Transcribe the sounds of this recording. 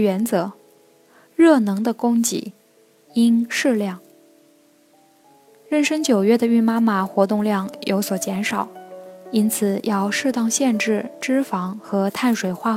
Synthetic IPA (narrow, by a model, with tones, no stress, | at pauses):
ɥɛ˧˥nt͡sɤ˧˥ | ɻɤ˥˩nɤ˧˥ŋd̪ə˧kʊ˥ŋt͡ɕḭ˧˥ | i˥nʂɻ̩˥˧ljɑ˥˩ŋ | ɻə˥˩nʂə˥ŋt͡ɕjo˨˩ʊɥɛ˥˩d̪ə˨y˥˩nma˥ma˨˩xwɔ˧˥t̪ʊ˥˧ŋljɑ˥˩ŋjo˧˥ʊswɔ˨˩t͡ɕjɛ˧˥nʂɑ˨˩˦ʊi˥nt͡sʰɹ̩˨˩jʔɑ˥˧ʊʂɻ̩˥˧t̪ɑ˥˧ŋɕjɛ˥˧nʈ͡ʂɻ̩˥˩ʈ͡ʂɻ̩˥fɑ˧˥ŋxɤ˧˥t̪ʰa˥˩nʂwe˨˩ɪxwa˥˩